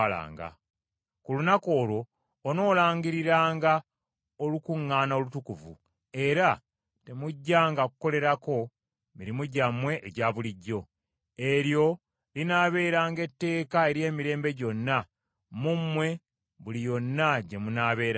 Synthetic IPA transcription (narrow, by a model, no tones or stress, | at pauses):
la̰ːŋɡa̰ | kulunako̞ːlwo̞ː | no̞ːlaːɲɡiɾiɾaːŋɡa | olukuŋːaːnaolutukuvṵ | e̞ɾa | te̞muɟːaːŋɡakuko̞le̞ɾako̞ | miɾimuɟamwe̞ʔːɟaːβuliɟːo̞ | e̞ɾjo̞ | linaːβe̞ːɾaːŋɡe̞tːe̞ːkae̞ɾje̞ːmiɾe̞ːmbe̞ɟo̞nːa | mumːwe̞ | βulijo̞nːaɟe̞munaːβe̞ːɾa